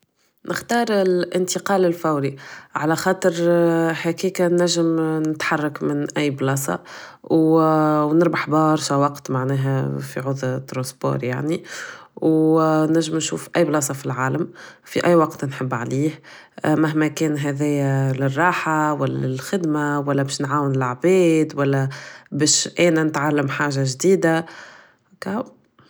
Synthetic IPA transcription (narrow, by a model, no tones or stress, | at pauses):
nʔɪxt̪ɑːɾˤɪlʔɪnt̪əqɑːlɪlfæwɾiʕalæxɑːt̪ˤəɾħakiːkanæʒːəmnɪt̪ħɑrˤːɑkmɪnʔæjːblɑːsˤɑ̰ | w | nɪɾbaħbɑːɾˤʃawɑqt̪maʕnɛːɦæfḭʕʊðˤt̪ːɾɑ̃sbo̰ːɾˤja̰ʕniwnæʒːəmnʃuːfʔæjːblɑːs̬ˤɑfilʕaːləmfiʔæjːwɑqt̪nħəbːʕliːh | maɦmækɛːnɦɛðɛjælɪrˤːɑːħawælːæ̰ɪlxɪd̪mawælːæbɛːʃnʕaːwɪnɪlaʕbɛːd̪wælːæbɛːʃʔɛːnænɪt̪ʕalːəmħaːʒaʒd̪iːd̪a | ka